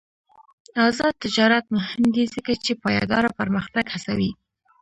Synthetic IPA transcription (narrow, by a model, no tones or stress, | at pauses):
ɑzɑd̪̚t̪ɪd͡ʒɑɾat̪mʊhɪmd̪izəkat͡ʃepɑjɑ̰d̪ɑɾapaɾməxt̪aɡhasawi